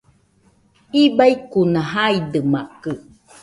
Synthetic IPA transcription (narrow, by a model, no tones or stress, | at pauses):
ibaikunaɦaidəmaʔkə